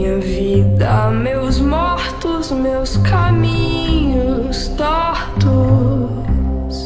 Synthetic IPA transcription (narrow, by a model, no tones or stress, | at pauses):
ɲɐvid̪ɐmewzmɔɾt̪ʊzmewskamĩɲʊst̪ɔɾt̪ʊ | s